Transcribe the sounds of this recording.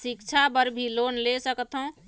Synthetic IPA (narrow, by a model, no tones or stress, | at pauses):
sikt͡ʃʰabəɾbʱilonlesəkt̪ɦõ